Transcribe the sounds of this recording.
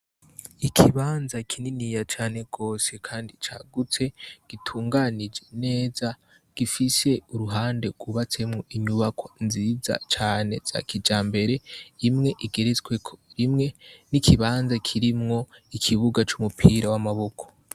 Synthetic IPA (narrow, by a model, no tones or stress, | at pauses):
ikʰiβaːnzakʰininijat͡ʃaːne̞ɡ̥o̞ːse̞kʰaːndit͡ʃaɡut͡se̞ɡ̥itʰuːŋɡanid͡ʒe̞ne̞ːza | ɡ̥ifise̞uɾuɦaːnde̞ɡ̥uβat͡se̞mŋoʔiɲuβakʰonziːza̰t͡ʃaːne̞z̥a̰kid͡ʒaːmbe̞ɾe̞imŋe̞ʔiɡe̞ɾezɡwe̞kʰo̥ɾimŋe̞nikʰiβaːnzakʰiɾimŋo̞ikʰiβuɡat͡ʃumupʰiːɾawamaβo̞kʰo̞̥